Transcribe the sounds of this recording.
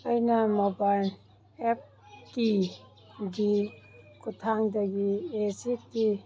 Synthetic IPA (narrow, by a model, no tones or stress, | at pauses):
əjnamoban | ep̚ | ki | ɡikutʰaŋdaɡiesiti